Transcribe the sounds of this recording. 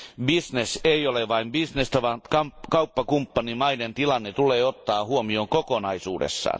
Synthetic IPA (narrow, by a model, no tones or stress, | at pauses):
bisneseioleʋɑimbisnest̪ɑʋɑnkɑkɑupːɑkumpːɑnimɑident̪ilɑnːet̪uleːot̪ːɑːhuomioːŋkokonɑisṵːdḛsːɑ̰ːn